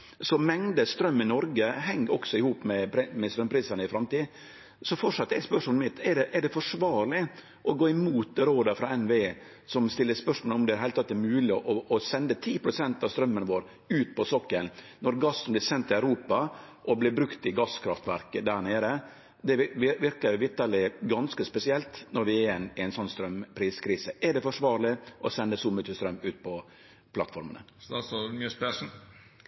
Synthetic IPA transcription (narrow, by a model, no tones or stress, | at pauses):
sɔmɛŋd̪əst̪ɾœmːɪnɔɾɡəhɛŋːɔksɔɪhuːpmɛpɾmɛst̪ɾœmpʰɾiːsɑnəɪfɾɑmt̪iː | sɔfɔʈʂɑt̪ːəɛɪspœʂmɔlmɪt̪ːɛɖɛʔæɖɛfɔʂʋɑːɾɭɪ | ʔɔɡoːɪmuːt̪̚ɾoːd̪əɾfɾɑɛnʋee | sɔmst̪ɪlːəspœʂmɔlɔmd̪ɛæɾhæɪlt̪ɑt̪ːæɾmʉːlɪʔɔːsɛnd̪ət̪ʰiːpʰɾʊsɛnt̪ɑst̪ɾœmːənʋoːɾ | ʉːt̪̚pɔsɔkːən | nɔɾɡɑsːənb̪lɪsɛnt̪ːɪæʉɾuːpɑ | ʔɔblɪbɾʉkt̪ɪɡɑskʰɾɑft̪ʋæɾkəd̪æɳeːɾə | d̪ɛʋɪʋɪɾkəɾʋɪɾt̪əlɪɡɑnskəspɛsɪɛlt̪nɔɾʋɪɾɛnæɪnsɔnːst̪ɾœmpʰɾiːskʰɾiːsəʔɛɖɛfɔʂʋɑːɾɭɪʔɔsɛnd̪əsɔːmœt̪ːəst̪ɾœmːʉːt̪̚pʰɔ | pʰlɑ̰t̪fɔɾmə̰nə̰sɔmyspɛʂn̩